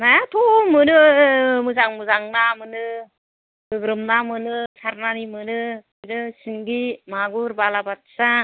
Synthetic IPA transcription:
najat̪ʰumɯnɯmɯzaŋmɯzaŋnamɯnɯ | ɡɯɡɾɯmnamɯnɯsʰaɾnanimɯnɯ | dɯsiŋɡimaɡuɾbalabat̚sa

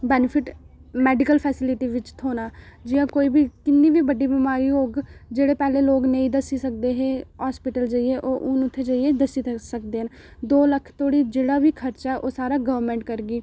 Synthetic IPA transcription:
bɛːnɪpʰɪʈ | mɛːɖɪkəlpʰɛːsɪlɪʈiːʋɪt͡ʃt̪ʰoːnaːd͡ʒijãːkoːiːbiːkɪnːiːbiːbəɖiːbɪmaːɾiːoːɡd͡ʒeːɽeːpɛːleːloːɡnə̃ĩːd̪əsiːsək̚d̪eːɦeɦaːspɪʈəld͡ʒəːieːʔoːʔʊnʊt̪ʰːeːd͡ʒaːieːd̪əsiːsək̚d̪eːɦən | d̪oːləkʰt̪ʰoːɽiːd͡ʒeːɽaːbiːkʰəɾt͡ʃɛʔoːsaːɾaːɡəʋəɾmɛ̃ːɳʈkəɾɡiː

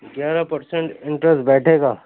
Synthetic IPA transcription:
ɡjaːɾapɐɾsɛ̃ɳʈɪ̃ɳʈɾɛsʈbɛːʈʰeːɡaː

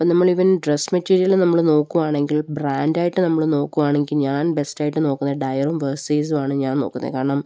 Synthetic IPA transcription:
poːnɐmːɐɭiʋɐnɖresmɐtːiːɾijɐlnɐmːɐɭno̞ːkːuʋaːɳe̞ŋɡilbraːndaːjiʈːɨnɐmːɐɭno̞ːkːuʋaːɳeŋɡilɲaːnbe̞staːjiʈːɨno̞ːkːunːɐɖɐjɐrumʋɐsiːsʋaːɳɨɲaːno̞̰ːkːunːɐ̰kaːɳɐɳam

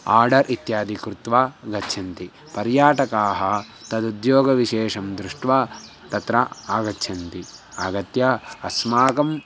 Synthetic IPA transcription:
aːɾɖɐɾʔit̪jaːd̪ʱikɾut̪ʋaːɡɐtːʃʰɐnt̪i | pɐɾjaːʈɐkaːɦɐ | t̪ɐd̪ud̪joːɡɐʋiʃeːʂɐmd̪ɾuʂʈʋaː | t̪ɐt̪ɾɐaːɡɐtːʃʰɐnt̪iaːɡɐt̪jɐɐsmaːkɐm

